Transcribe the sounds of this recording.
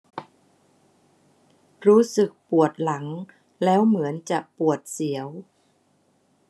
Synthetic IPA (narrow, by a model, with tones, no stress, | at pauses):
ɾuː˦˥sɯ˨˩k̚pu˨˩ət̪̚la˩˦ŋ | lɛː˦˥wmɯ˩˦ənt͡ɕa˨˩ʔpu˨˩ət̪̚si˩˦əw